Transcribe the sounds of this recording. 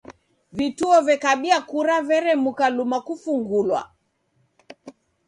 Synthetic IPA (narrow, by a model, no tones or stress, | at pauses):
vituɔvɛkaɓiakuɾavɛɾɛmukalumakufuŋɡulwa̰